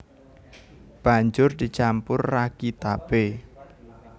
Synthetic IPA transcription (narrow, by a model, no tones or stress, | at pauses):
b̥a̤ɲd͡ʒʊrd̪̥it͡ʃampʊrːaɡ̥it̪ab̥e